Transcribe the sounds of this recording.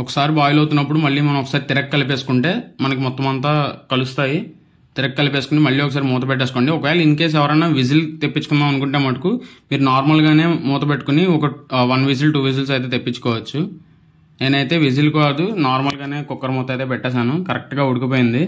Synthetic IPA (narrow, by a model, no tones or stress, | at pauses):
ɔkɐ̥saːɾibaːjulɐwt̪unːɐp̬ːuɽumɐɭːiːmɐnɐmɔkɐ̥saːɾit̪iɾɐkkɐlip̬e̞ːsu̥kuɳʈe̞ːmɐnɐk̬imɔt̪ːɐmɐnt̪aːkɐlust̪aːji | t̪iɾɐkkɐlipeːsu̥kunimɐɭːiːɔkɐs̬aːɾimuːt̪̬ɐpɛʈːesuko̞ːɳɖiɔkɐʋɛːɭɐind̪ukeːs̬ɛʋɐɾɐnaːʋid͡ʒ̬ilt̪epːit͡ʃːukund̪aːmɐnukuɳʈemɐʈɐkumiːɾunaːɾmɐlɡaːne̞ːmuːt̪ɐpeʈːu̥kuniɔkɐʋɐnʋid͡ʒ̬ilʈuːʋid͡ʒils̬ɐjt̪̬e̞ːt̪epːit͡ʃːu̥kɔːʋɐt͡ʃːu | eːnɐjt̪e̞ːʋid͡ʒilkoɐd̪unaːɾmɐlɡaːne̞ːkɔkːɐɾɐmuːt̪ɐjt̪eːp̬ɛʈːaːs̬aːnukɐɾɐk̚ʈɡaːuɽukipoːjind̪i